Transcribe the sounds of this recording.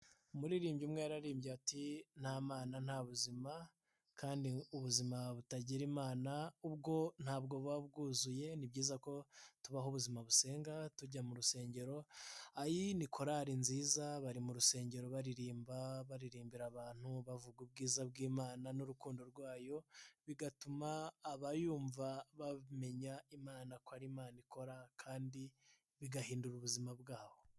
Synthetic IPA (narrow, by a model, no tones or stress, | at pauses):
muɾiɾiːmbɟumŋeːɾaɾiːmbɟeatin̥haːmaːnan̥haːβuzima | kaːndiuβuzimaβutaɟiɾimaːnaubɡo̞n̥haːb̚ɡo̞βaβɡuːzuje̞nibɟiːzako̞tuβaɦoβuzimaβuse̞ːŋɡatuɟamuɾuse̞ːɲɟe̞ɾo̞ajinikʰoɾaɾinziːzaβaɾimuɾuse̞ːɲɟe̞ɾo̞βaɾiɾiːmbaβaɾiɾiːmbiɾaβaːn̥huβavuɡwub̚ɡiːzabɡiːmaːnanuɾukuːndo̞ɾɡwaːjo̞βiɡatumaːβajuːɱvaβaβme̞ɲaimaːnakohaɾimaːnikʰo̞ɾakʰaːndi | βiɡahiːnduɾuβuzimabɡaːho̞